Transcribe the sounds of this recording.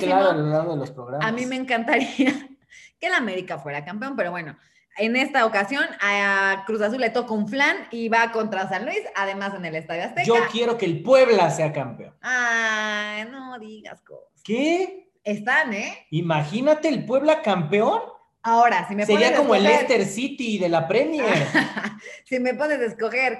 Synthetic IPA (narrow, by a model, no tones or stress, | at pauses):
klaɾoaalolaɾɣoðelospɾoɣɾamamĩme̞ːŋkant̪aɾiake̞lame̞ɾikafwe̞ɾakamp̬eo̞mpe̞ɾo̞βwe̞no̞ | ene̞st̪ao̞kasjo̞nakɾus̬as̬ulːe̞t̪o̞kauɱflaniβako̞nt̪ɾas̬anlwisaðe̞mase̞ne̞le̞st̪aðjoast̪ed͡ʒo̞kje̞ɾo̞ke̞ːlpwe̞βlase̞akampeo̰na | noðiɣa̰sko̰̥ | ke | est̪aneimaxinat̪e̞ːlpwe̞β̞lakampeo̞n | ao̞ɾasimeseɾoiakomoelest̪eɾsit̪iðe̞lapɾe̞mja | sime̞po̞ne̞zðesko̞xe̞ɾ